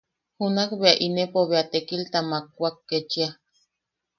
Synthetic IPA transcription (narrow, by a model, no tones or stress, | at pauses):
hunakbeaʔinepoβeat̪ekilt̪amakːʷakːet͡ʃia